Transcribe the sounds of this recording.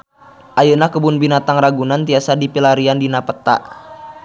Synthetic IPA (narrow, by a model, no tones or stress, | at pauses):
ʔajunahkəbʊnbinat̪aŋraɡunant̪iasadipilaɾiandinapət̪a̰ʔ